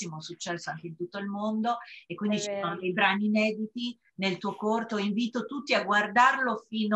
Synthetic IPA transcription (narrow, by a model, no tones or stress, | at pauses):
imosut͡ʃːɛsːoaŋk̟eint̪ut̪ːoilmond̪oekːwind̪it͡ʃisonod̪ejbɾaːniːnɛːd̪it̪i | nelt̪uːokort̪oiɱviːt̪ot̪ut̪ːiaɡward̪arlofiːno